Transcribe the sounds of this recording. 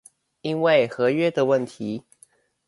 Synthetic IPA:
i˦nwe˥˨˩ɪxɤ˨˦ɥɛ˦d̪ə˨wə˥˨nt̪ʰi˨˦

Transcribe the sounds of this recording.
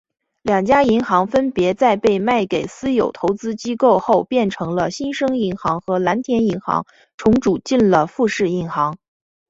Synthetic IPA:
ljɑ˨˩ŋt͡ɕja˥i˧˥ŋxɑ˧˥ŋfə˥npjɛ˧˥t͡sa˥˧ɪpe˥˧ɪma˥˩ɪke˨˩ɪsɹ̩˥jo˨˩ʊt̪ʰo˧˥ʊt͡sɹ̩˥t͡ɕi˥ko˥˧ʊxo˥˧ʊpjɛ˥˩nʈ͡ʂʰɤ˧˥ŋlə˧ɕi˥nʂɤ˥ŋi˧˥ŋxɑ˧˥ŋxɤ˧˥la˧˥nt̪ʰjɛ˧˥ni˧˥ŋxɑ̰˧˥ŋ | ʈ͡ʂʰʊ˧˥ŋʈ͡ʂu˨˩t͡ɕi˥˩nlə˩fu˥˧ʂɻ̩˥˩i˧˥nxɑ˧˥ŋ

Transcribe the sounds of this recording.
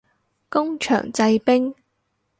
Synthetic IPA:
kʊ˥ŋt͡ʃʰœ̰ː˨˩ŋt͡sɐ˧jpɪ˥ŋ

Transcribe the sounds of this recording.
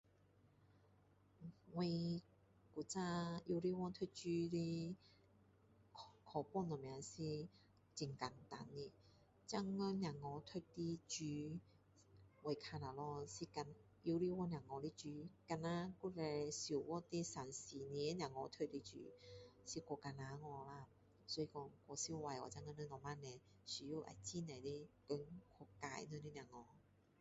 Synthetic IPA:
wi˧ | ku˨˩t͡sa˦˧i˧li˦˥wɔ˧t̪ʰə˥˧t͡ɕy˦li˦ | kʰɔ˨pɔ˥˨nɔ˨˩mja˨si˧ | t͡ɕi˨ŋka˨˩nt̪a̰˨˦nːi˧˩ | t͡ɕa˥˧ŋːɔ˧nja˨˩ŋɔ˨˧t̪ʰə˥˧ti˧t͡ɕy˨˦ | we˨˩jkʰa˧na˨˩lɔ˧si˧ka˧˩n | ji˧˦li˧wɔ˥˧nja˨˩ŋɔ˧li˧t͡ɕy˧˦ka˧na˧ku˥lɛ˧su˨˩wɔ˧t̪i˦sa˨˩nsi˨ni˧˦nja˨˩ŋɔ˧t̪ʰo˧t̚li˧˥t͡ɕy̰ː˧˦si˧kɔ˧ka˧˩na˨˧˦ŋɔ˧la˧˩ | sɔ˧˦i˧kɔ˧kɔ˧si˧˦˧wa˧jɔ̰˧˩t͡ɕa˥˧ŋɔ˧nə˧˦nɔ˨˧ma˧nɛ˨˧ | si˨˧˩ju˧˦ʔa̰˨˩jt͡ɕi˧˨nɛ˨li˦kə˧˦nkʰɔ˧˩ka˧˩jnə˧li˦˧nja˨˩ŋɔ˧

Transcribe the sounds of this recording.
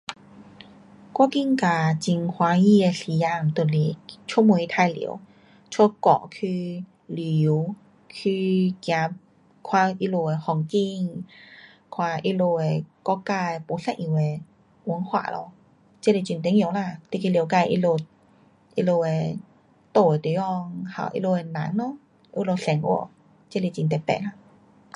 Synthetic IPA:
kwa˧˥ki˧˨ŋka˨˩t͡ɕi˧ŋkʰwa˨˧˦ji˧e˧si˨˦ja˧mt̪o˨˩li˨˩t͡ɕʰmu˧˨i˧t̪ʰa˧jlḭ˧˨˩ə̰˦w | t͡ɕʰwo˦˥kɔ̰˧˩˨kʰy˧ | li˨w | kʰy˧kja˧ | kʰwa˧ʔi˧˥lo˧e˧hɔ˨˩ŋki˧ŋ | kʰwa˧˩ʔi˦lo˧e˧kɔ˧˨kaː˧e˧po˨˦sa˧˨ʔĩ˧˩˨we˧˨ | ʔu˧˦ŋkʰwa̰ː˧˩˦lʔɔ̰˧ | t͡ɕe˧˦˨le˧˩t͡ɕi˧nt̪̬ɛ˧˦ŋi˧˨˦wla˧t̪i˧ki˧˨lka˧jʔḭ˧lo˧t̚ | ʔi˧lo˧e˧ | t̪o˧˩e˨t̪i˨˦jɔ˧ŋha̰˧˨˩ʔḭ˧lo˧e˧na˨˦nnɔ˧˦˧ | ʔi˧lo˧sɛ˨˦ŋʔṵ˧˦ | t͡ɕe˧˥˨le˧t͡ɕi˧nt̪ɛ˧pɛ̰˧˨la˧˩

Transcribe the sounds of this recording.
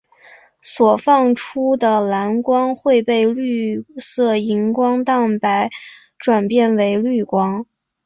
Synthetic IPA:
swɔ˨˩fɑ˥˩ŋʈ͡ʂʰu˥d̪ə˨la˧˥nkwɑ˥ŋxwe˥˧ɪpe˥˧ɪly˥˧sɤ˥˩i˧˥ŋkwɑ˥ŋt̪ɑ˥˩ŋpa˧˥ɪ | ʈ͡ʂwa˨˩npjɛ˥˩nwe˧˥ɪly˥˩kwɑ˥ŋ

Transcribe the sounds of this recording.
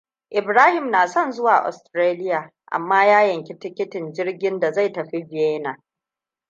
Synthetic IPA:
ʔɪ˨bɾaː˦hɪ˨mnaː˨sɔ˦˨nzʊ˦waː˨ʔɔ̰˨stɾeː˦lɪ˦jaː˨ | ʔa̰˨mːaː˦jaː˦jɐ˨ŋkʲi˦tɪ˦kʲɪ˦tɪ˨nd͡ʒɪ˦rɡʲɪ˦nda˨za˦˨jtɐ˨ɸi˦bɪ˨eː˦naː˨

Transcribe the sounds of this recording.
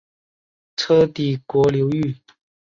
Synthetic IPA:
t͡sʰɤ˥t̪i˨˩kwɔ˧˥ljo˧˥ʊy˥˨

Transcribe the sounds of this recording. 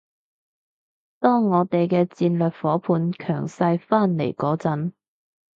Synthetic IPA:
t̪ɔː˥ŋɔː˨˧t̪e˨jkɛː˧t͡siː˧nlœː˨k̚fɔː˨˥pʰuː˨˧nkʰœː˨˩ŋsɐ˧jfaː˥˩nlḛ˨˩jkɔː˨˥t͡sɐ˨˥n

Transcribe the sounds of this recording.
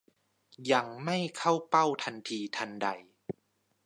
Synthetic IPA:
ja˧ŋma˥˩jkʰa˥˩wpa˥˩wt̪ʰa˧nt̪ʰiː˧t̪ʰa˧nda˧j

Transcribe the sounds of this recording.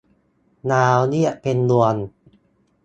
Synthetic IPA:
naː˧wni˥˩ɐpe˧nlu˧ən

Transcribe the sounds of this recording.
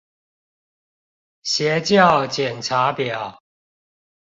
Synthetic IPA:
ɕjɛ˨˦t͡ɕjɑ˥˨ʊt͡ɕjɛ˨˩nʈ͡ʂʰa˨˦pjɑ˨˩˦ʊ

